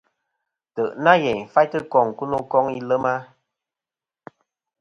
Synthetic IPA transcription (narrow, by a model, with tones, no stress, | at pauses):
tə˨ʔna˦jɛ˨ɲ˨fa˦jtɨ˦kɔ˦˨ŋ˨ku˦nu˦kɔ˦ŋi˦lə˦ma˦